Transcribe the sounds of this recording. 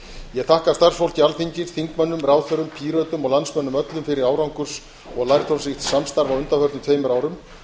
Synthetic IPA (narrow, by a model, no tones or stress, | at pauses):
jɛɣθahkaɾ̥st̪aɾ̥sfowl̥cialθiɲcɪɾ̥θiŋkmœnːʏmraːwθœɾʏmpʰiːɾœːt̪ʏmɔɣlansmœnːʏmœt̪lʏmfɪɾɪɾaːwɾawŋkʏɾ̥s | ɔɣlajɾ̥t̪ʰownsiht̪samst̪aɾvawʏnt̪afœɾt̪ʏmt̪feːjmʏɾaːwɾʏm